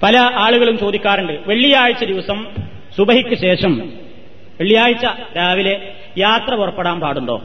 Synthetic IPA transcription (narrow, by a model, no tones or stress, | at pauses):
pɐlɐʔaːɭuɣɐɭumt͡ɕo̞ːd̪ikʲːaːɾuɳɖɨʋeɭːijaːɻit͡ɕːɐd̪iʋɐsɐm | subɐɦikʲːɐɕe̞ːʂɐm | ʋeɭːijaːɻit͡ɕːɐ | ɾaːʋile̞ | jaːt̪rɐurɐpːeɽaːmpaːɽuɳɖoː